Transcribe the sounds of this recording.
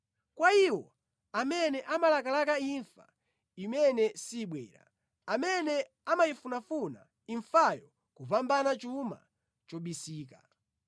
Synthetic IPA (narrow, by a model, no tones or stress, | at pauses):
kwaiwɔ | amɛnɛʔamalakalakaiɱfa̰ | imɛnɛsiɓwɛ̰ːɾa̰ | amɛnɛ | amaifunafuna̰ | iɱfajɔ | kupambanat͡ʃuma̰ | t͡ʃɔɓisiːka